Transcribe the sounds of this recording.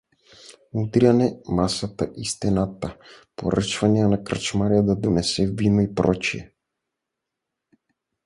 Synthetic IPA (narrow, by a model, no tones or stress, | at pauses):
mud̪ianɛmasat̪a̰ʔist̪ɛnat̪apo̰ɾə̰t͡ʃvanianakrət͡ʃmaɾiad̪ad̪unɛsɛvinɔipɾɔt͡ʃiɛ̰